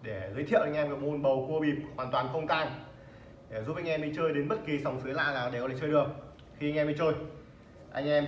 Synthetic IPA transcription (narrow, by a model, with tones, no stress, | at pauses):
ɗe˧˩zəː˨˦t̪ʰḭ˧˨wʔa˧jŋ̟ʔɛ˧mkaː˧˩mo˧nɓə˨˩wku˧əɓi˨˩p̚hwaː˨˩nt̪waː˨˩nxə˧wŋ͡mk̪aː˧n | ɗe˧˩zuː˨˦˨ŋʔɛ˧mi˧t͡ɕəː˧jɗe˨˦nɓə˦˥t̚ki˨˩sa˨˩wŋ͡msɨ˨˦jla̰ː˧naː˨˩ɗe˧˩klaː˧˨t͡ɕəː˧jɗɨ˨˩əŋ̚ | xi˧ŋ̟ʔmi˧t͡ɕəː˧j | ʔa˧jŋ̟ʔɛ˧m